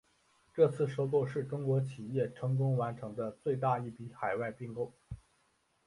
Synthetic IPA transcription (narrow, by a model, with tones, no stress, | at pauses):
ʈ͡ʂɤ˥˧t͡sʰɹ̩˥˩ʂo˥ʊkɔ˥˧ʂɻ̩˥˩ʈ͡ʂʊ˥ŋkwɔ˧˥t͡ɕʰi˨˩jɛ˥˩ʈ͡ʂʰɤ˧˥ŋk̬ʊ˥ŋwa˧˥nʈ͡ʂʰɤ˧˥ŋd̪ə˧t͡swe˥˧ɪt̪a˥˧i˥˩pi˧˥xa˨˩ɪwa˥˧ɪpi˥˩ŋkʊ˥ŋ